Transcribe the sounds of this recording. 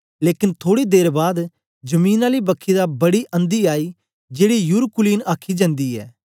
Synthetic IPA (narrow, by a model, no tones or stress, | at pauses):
leːkɪnt̪ʰoːɽid̪eːɾbaːd̪ | d͡ʒəmĩːnaːliːbəkʰːid̪aːbɐɽiːʔə̃nd̪iːaːiː | d͡ʒeːɽijʊɾkʊliːnaːkʰːid͡ʒə̃nd̪iːɛ̰ː